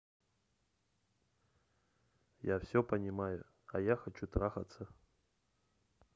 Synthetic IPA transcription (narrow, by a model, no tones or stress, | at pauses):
jawsʲɔpɐnʲimajʊ | ɐ̰jaxat͡ʃut̪ɾaxɐt̪sːɐ